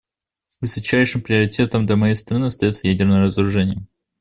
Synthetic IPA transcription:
vɨsɐt͡ɕæjʂɨmpɾʲɪəɾʲɪtʲe̞t̪əmd̪lʲɐmɐjejst̪ɾɐnɨɐst̪ɐjo̞t̪səjædʲɪrnəjəɾəzəɾʊʐɛnʲɪjə

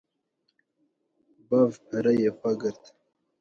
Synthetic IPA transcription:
bavɾajepaɡəɾt̪

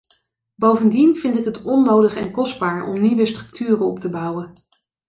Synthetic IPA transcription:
bowvəndinvɪntɪkɦətɔnːowdəχɛ̰nkɔsd̚baːɹʔɔ̰mniʋəstrɵk̚tʰyːrənɔptəbʌwən

